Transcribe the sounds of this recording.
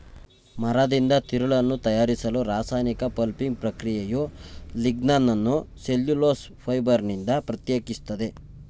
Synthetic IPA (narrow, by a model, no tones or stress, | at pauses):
mɐɾɐd̪ind̪ɐt̪iɾuɭɐnːut̪ɐjaːɾisɐluɾaːsaːjnikɐpɐlpiŋɡ̚pɾɐkɾijejuliɡnanːɐnːuseljuloːs | pʰɐjbɐɾnind̪ɐpɾɐt̪jeːkist̪ɐd̪e̞